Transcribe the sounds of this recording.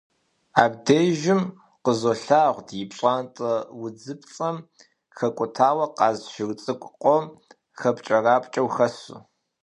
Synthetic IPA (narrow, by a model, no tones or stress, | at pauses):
a̰ːb̚deːʒɪm | qəzoɬaːʁʷdjɪpɕʼaːntʼɐwʊd͡zɨpʰt͡sʼɐm | xɐkʷʼʊtʰaːwɐqɑːzʃɪrt͡sʼɨkʷʼqʷʼɔm | xɐpt͡ʃʼɐraːpʼt͡ʃʼɐwxɐsṵ